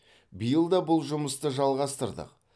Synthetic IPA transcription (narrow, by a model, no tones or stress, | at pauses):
bijəlˠd̪ɑbʊlˠʒʊməst̪əʒɑlˠʁɑst̪əɾd̪ə̰q